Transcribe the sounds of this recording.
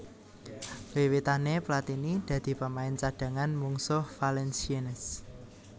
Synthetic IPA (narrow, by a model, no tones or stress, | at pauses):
b̥ewit̪aneplat̪inid̪̥ä̤d̪̥i̤pəmaɪnt͡ʃad̥ä̤ŋanmuŋsʊhfalɛnsienəs